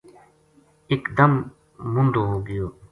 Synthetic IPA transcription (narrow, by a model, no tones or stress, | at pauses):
ekd̪ɐm | mʊ̃nɖ̪oːɦoːɡəjoː